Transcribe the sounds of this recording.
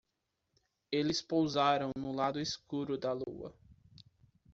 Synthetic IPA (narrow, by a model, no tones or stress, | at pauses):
elɪspowzaɾɐ̃w̃nʊlad̪ʊɪskuɾʊd̪ɐlṵɐ̰